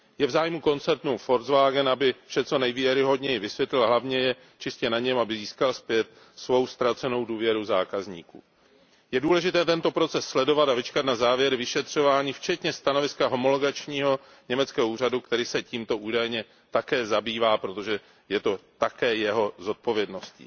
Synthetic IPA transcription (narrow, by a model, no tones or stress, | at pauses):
jɛvzaːjmuko̞nt͡sɛɾt̪nufo̞ɾzvaːɡɛnabɪfʃɛt͡so̞nɛjvjɛɾɪɦo̞dɲɛjɪvɪsvjɛt̪lɪlɦlavɲɛjɛ | t͡ʃɪscɛnaɲɛmabɪziːskalspjɛt̪̚ | svo̞wst̪ɾat͡sɛno̞wduːvjɛɾuzaːkazɲḭːkṵː | jɛduːlɛʒɪt̪ɛːt̪ɛnt̪o̞pɾo̞t͡sɛsːlɛdo̞vat̪avɪt͡ʃkat̪nazaːvjɛɾvɪʃɛt̪r̝̥o̞vaːɲiːft͡ʃɛt̪ɲɛst̪ano̞vɪskaɦo̞mo̞loɡat͡ʃɲiːɦo̞ | ɲɛmɛt͡skɛːɦouːr̝adukt̪ɛɾiːsɛciːmt̪o̞ʔuːdajɲɛ | t̪akɛːzabiːvaːpɾo̞t̪o̞ʒɛ | jɛt̪o̞t̪akɛːjɛɦo̞zo̞t̪̚po̞vjɛdno̞scḭː